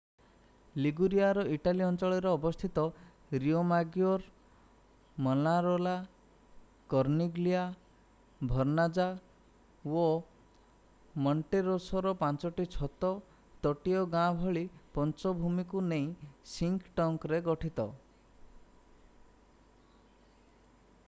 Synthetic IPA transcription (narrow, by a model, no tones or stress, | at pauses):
liɡuɾiaɾɔʔiʈaliɔnt͡ʃɔɭɔɾɔːbɔst̪ʰit̪ɔ | ɾiomaɡjɔɾ | mɔlaɾola | kɔɾniɡlia | bʱɔɾnad͡ʒa | wo | mɔɳʈeɾosɔɾɔpãnt͡ʃɔʈit͡ʃʰɔt̪ɔ | t̪ɔʈiɔɡãbʱɔɭipɔnt͡ʃɔbʱumikunej̃siŋkʈɔŋkɾeɡɔʈʰit̪ɔ